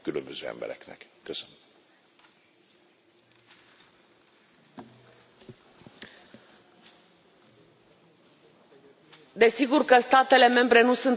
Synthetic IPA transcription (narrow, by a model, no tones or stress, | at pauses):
kylømbøzøːɛ̰mbɛ̰ɾɛknɛkkøsønøm | d̪e̞siɡurkəst̪at̪e̞le̞me̞mbɾe̞nusun